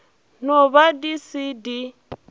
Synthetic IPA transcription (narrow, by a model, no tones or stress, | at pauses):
nɔβadisidi